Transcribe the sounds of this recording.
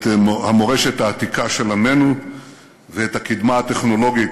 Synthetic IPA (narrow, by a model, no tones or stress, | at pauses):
hamo̞ʁeʃet̪haːt̪ikaʃe̞lamenu | veet̪hakid̪maat̪e̞χno̞lo̞ɡi